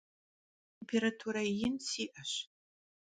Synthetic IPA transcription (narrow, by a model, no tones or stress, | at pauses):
tʰempʰeɾatʰuɾajɪnsiːʔɐɕ